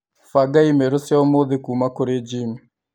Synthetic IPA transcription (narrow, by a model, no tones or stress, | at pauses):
faɡaimeɾosjaomoðekumakoɾed͡ʒim